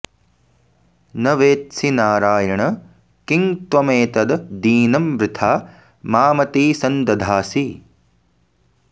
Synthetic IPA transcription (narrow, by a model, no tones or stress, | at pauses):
nɐʋeːt̪sinaːɾaːjɐɳɐ | kiŋt̪ʋɐmeːt̪ɐd̪d̪iːnɐmʋɾɪt̪ʰaː | maːmɐt̪iːsɐnd̪ɐd̪ʱaːsi